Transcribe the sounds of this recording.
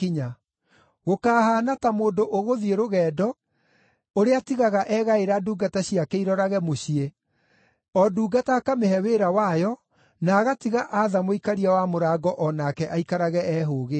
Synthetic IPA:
iɲa | ɣokaːhaːnatamoːndoʔoɣoðieɾoɣɛːdɔ | oɾeatiɣaɣaʔɛɣaeɾaduːɡataɕiakeiɾɔɾaɣɛmoɕie | ɔduːɡataːkameɦɛweːɾawajɔ | naːɣatiɣaʔaðamoikaɾiawamoɾaːɡɔʔɔnakɛʔaikaɾaɣɛɛɦoːɣe

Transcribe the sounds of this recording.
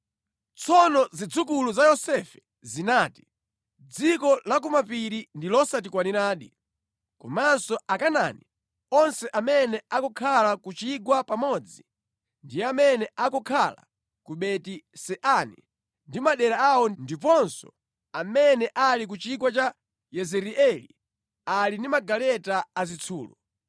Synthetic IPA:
t͡sʰɔnɔzid͡zukuluzajɔsɛfɛ̥ | zinaːti̥ | d͡zikɔlak̬umapiɾindilɔsatikwaniɾaːɗi | kɔ̰mansɔakana̰ni | ɔnsɛʔamɛnɛakɔkʰalakut͡ʃiɡwapamɔd͡zi | ndijamɛnɛakɔkʰala̰ | kuɓɛtisɛʔanḭ | ndimaɗɛɾaawɔndipɔnsɔ̰ | amɛnɛʔalik̬ut͡ʃiɡwat͡ʃa | jɛzɛɾiʔɛlḭ | alindimaɡalɛtaːzit͡sʰuːlɔ̰

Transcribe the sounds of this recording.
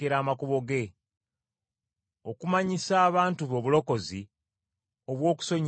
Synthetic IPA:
eɾaːmakuβo̞ɡe̞ | o̞kumaɲisaːβaːntuβo̞ːβulo̞ko̞zi | o̞βwo̞ːku̥so̞ɲ

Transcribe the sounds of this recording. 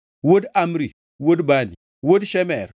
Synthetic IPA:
wodamɾi | wodbanḭ | wodʃemɛɾ

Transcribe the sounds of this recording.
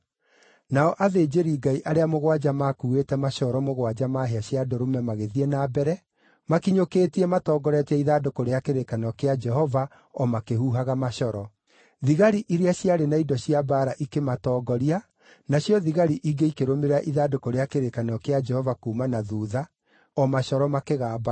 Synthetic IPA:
naɔʔaðeːd͡ʑeɾiːɡaiʔaɾeamoɣwad͡ʒamakuːetɛmaʃɔɾɔmoɣwad͡ʒamaɦeaɕjadɔɾomɛmaɣeðiɛnabɛɾɛ | makiɲokeːtiɛmatɔːɡɔɾɛtɛiðadokoɾeakeɾekanɔkead͡ʒɛɦɔva | ɔmakehuːɦaɣamaʃɔɾɔ | ðiɣaɾiʔiɾeaɕjaɾenaidɔɕiabaːɾaʔikematɔːɡɔɾia | naɕjɔðiɣaɾiʔiɡeikeɾomeɾaʔiðadokoɾeakeɾekanɔkead͡ʒɛhɔvakuːmanaðuːða | ɔmaʃɔɾɔmakeɣaːba

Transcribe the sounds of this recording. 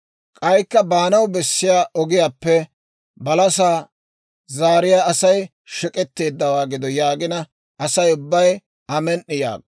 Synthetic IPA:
kʼɐjkːɐbaːnɐwbɛsːɪjaːʔɔɡɪjaːpːɛ | bɐlɐsaː | zaːɾɪjaːɐsɐj | ʃɪkʼɛt̪ːe̞ːd̪ːɐwaːɡɪd̪ɔjaːɡɪnɐ | ɐsɐjʊbːɐj | ɐmɛnʔːɪja̰ːɡ̚

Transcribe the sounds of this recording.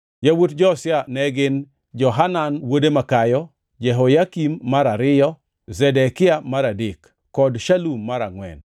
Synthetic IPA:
jawutd͡ʒɔsɪanɛɡɪn | d͡ʒɔɦananwodemakajɔ | d͡ʒɛɦojakimːaɾaɾɪjɔ | zɛdɛkɪamaɾadikː | ɔdʃalumːaɾaŋwɛ̰n

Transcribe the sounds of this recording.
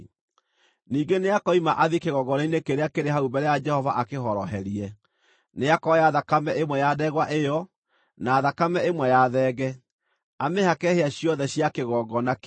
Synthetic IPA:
niːɡeneakɔimaʔaðikeɣɔɡɔɾeinekeɾeakeɾeɦaubɛɾɛjad͡ʒɛhɔvaʔakeɦɔɾɔɦɛɾiɛ | neakɔjaðakamɛʔemwɛjadɛɣwaʔejɔ | naːðakamɛemwɛjaðɛːɣɛ | amehakɛheaɕjɔðɛɕjakeɣɔɡɔnak

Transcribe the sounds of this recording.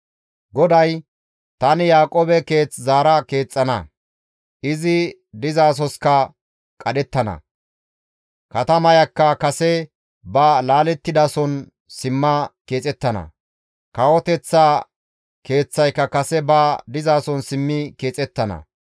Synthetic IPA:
ɡɔd̪ɐj | t̪ɐnɪjaːkʼoːbɛke̞ːt͡szaːɾɐke̞ːt͡sʼːɐnɐ̰ | ʔɪzɪ | d̪ɪzaːs̬ɔskɐ | kʼɐɗɛt̪ːɐnɐ̰ | kɐt̪ɐmɐjɐkːɐkɐsɛ | bɐlaːlɛt̪ːɪd̪asɔn | sɪmːɐke̞ːt͡sʼɛt̪ːɐnɐ̰ | kɐwɔt̪ɛt͡sːaː | ke̞ːt͡sːɐjkːɐkɐsɛbɐd̪ɪzaːsɔnsɪmːɪke̞ːt͡sʼɛt̪ːɐnɐ̰

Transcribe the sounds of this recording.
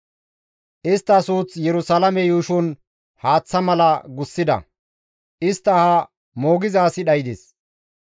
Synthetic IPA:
ʔɪst̪ːɐsuːt͡sjɛɾʊsɐlɐmɛjuːʃʊn | haːt͡sːɐmɐlɐɡʊsːɪd̪ɐ̰ | ʔɪst̪ːɐhɐ | mo̞ːɡɪzaːsɪɗɐjd̪es

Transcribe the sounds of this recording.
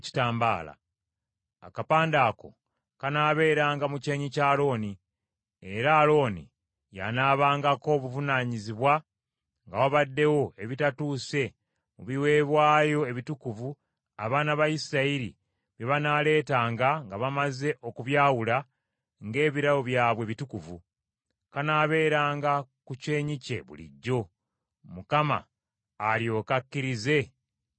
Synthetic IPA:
ci̥taːmba̰ːla̰ | a̰kapaːndaːko̞̰ | kanaːβe̞ːɾaːŋɡamuce̞ːɲicaːlo̞ːni | e̞ɾaːlo̞ːnḭ | ja̰naːβaːŋɡako̞ːβuvunaːɲiziβwa | ŋɡawaβadːe̞wo̞e̞βitatuːse̞ | muβiwe̞ːβwaːjo̞e̞βitukuvu | aβaːnaβaisiɾaiɾḭ | βjeβanaːle̞ːtaːŋɡaŋɡaβamaze̞ʔo̞kuβjaːwula | ŋɡe̞ːβiɾawo̞βjaːβwe̞βitukuvu | kanaːβe̞ːɾaːŋɡakuce̞ːɲice̞̰βṵlḭɟːo̞ | mukama̰ː | ljo̞ːkakːiɾize̞

